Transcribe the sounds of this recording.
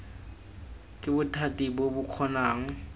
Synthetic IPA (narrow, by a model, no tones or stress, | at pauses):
kʼɪbʊtʰatʼibobʊq͡χʰɔnaːŋ̩